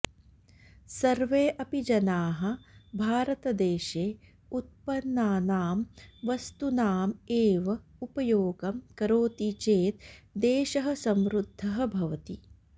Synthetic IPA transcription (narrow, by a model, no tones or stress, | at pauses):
sɐɾʋeːʔɐpid͡ʒɐnaːɦɐ̆bʱaːɾɐt̪ɐd̪eːʃeː | ut̪̚pɐnːaːnaːmʋɐst̪unaːmeːʋɐupɐjoːɡɐmkɐɾoːt̪it͡ʃeːt̪̚d̪eːʃɐɦɐ̆sɐmɾud̪ʱːɐɦɐ̆bʱɐʋɐt̪i